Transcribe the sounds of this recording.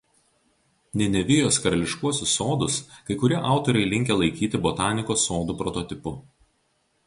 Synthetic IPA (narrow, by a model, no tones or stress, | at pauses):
nʲɛnʲɛʋʲɪjoːskɐɾɐlʲɪʃkuɔsʲʊsːoːd̪ʊskɐɪkʊɾʲiɛʔɑˑʊt̪ɔɾʲɛɪlʲɪŋʲkʲelˠɐɪkʲiːt̪ʲɪbɔt̪ɑːnʲɪkoːsːoːd̪upɾɔt̪ɔt̪ʲɪpʊ